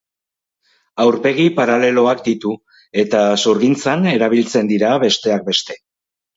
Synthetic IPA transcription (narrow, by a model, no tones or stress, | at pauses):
awɾpe̞ɣ̞ipaɾale̞lo̞akd̪it̪u | e̞t̪asuɾɣint͡sane̞ɾaβ̞ilt͡se̞nd̪iɾaβe̞st̪e̞ak̚be̞st̪e̞